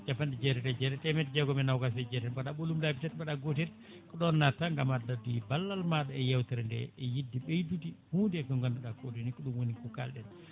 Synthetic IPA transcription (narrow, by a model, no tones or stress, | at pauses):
d͡ʒapːandid͡ʒɛɾɛtɛd͡ʒɛɾɛtɛmɛtd͡ʒɛɡɔmɛnawɡasɛd͡ʒɛɾɛnɓaɗaɓolumdapitɛtɓaɗaɡotɛɾ | kɔɗɔnːataŋɡamadadibalːalmaɗɔɛjawtɛɾndɛ̰ɛjidːiɓejdutihuːndkɔŋɡanduɗakodinikɔɗumwonikuka̰lɗɛn